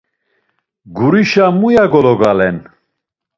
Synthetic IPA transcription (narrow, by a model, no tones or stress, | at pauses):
ɡuɾiʃamujaɡɔlɔɡalɛn